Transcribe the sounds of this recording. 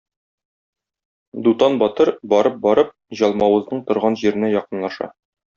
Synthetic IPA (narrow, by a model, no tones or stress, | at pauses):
d̪ut̪ɑnbɒt̪ɤɾbɒɾɤp̚bɒɾɤp̚ʑɒlˠmɑwɤ̆znɤɴt̪ŏɾʁɑnʑiɾɘ̆næjɒqɤ̆nlˠɑʃɑ̰